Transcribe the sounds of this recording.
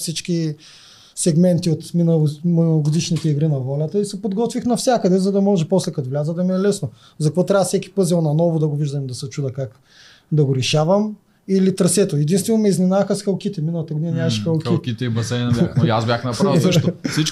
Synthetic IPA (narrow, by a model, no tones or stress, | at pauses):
fsit͡ʃkʲi | sɛɡmɛnt̪iot̪minɐminˠɡʊd̪iʃnit̪ɛiɡɾinɐvɔlʲɐt̪əisɛpod̪ɡɔt̪vixnɐfsʲakəd̪ɛzɐd̪ɐmɔʒɛpɔslɛkɐt̪vlʲazəd̪ɐmiɛlɛsno | zɐkvɔt̪ɾʲavɐfsɛkʲi̥pɤzilˠnɐnɔvʊd̪ɐɡoviʒd̪ɐmd̪ɐsɐt͡ʃud̪ɐkak | d̪ɐɡoɾɛʃavɐm | ilit̪ɾɐsɛt̪oɛd̪inst̪vɛnomɛiznʲinavɐxɐsxɐlˠkit̪ɛminɐlˠɐt̪ɐɡod̪inɐnʲaʃxɐlˠkikit̪ɛibɐsɛnʲxasbʲjaxnɐpasəʃtsit͡ʃ